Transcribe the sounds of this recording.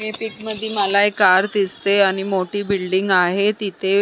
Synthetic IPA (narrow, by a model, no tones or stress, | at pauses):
mipikməd̪ʱːiːməlaekːaɾt̪ist̪eaɽ̃imoʈiːbilɖiŋɡaɦet̪it̪ʰe